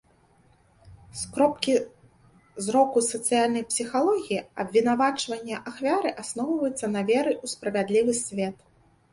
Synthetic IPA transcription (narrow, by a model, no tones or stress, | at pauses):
skɾɔpkʲi | zɾɔkusɐt̪sɨjalʲnɐjpsʲixalˠɔɣʲijiɐbʲvʲinavat͡ʂvɐnʲːɐʔaxvʲaɾɨʔasnɔwvɐjut̪sːɐnɐvʲɛɾɨʔuspɾɐvʲad̪lʲivɨsʲvʲɛt̪